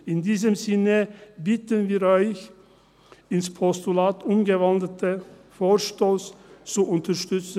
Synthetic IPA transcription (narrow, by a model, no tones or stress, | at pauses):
ɪndiːzəmzɪnəbɪtənviːɾɔʏç | ɪnspʰɔstulaːtʰʊmɡəvɑndətʰəfoːɾʃtoːst͡suʔʊntəɾʃtʏt͡s